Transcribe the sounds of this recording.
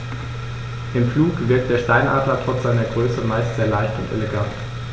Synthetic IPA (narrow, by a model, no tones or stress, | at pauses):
ʔɪmfluːkv̥ɪɐktd̥eːɐʃtaɪnʔa̰ːtlɐtʁ̥ɔt͡sz̥aɪnɐɡʁøːsəmaɪstz̥eːɐlaɪçtʊntʔḛleɡant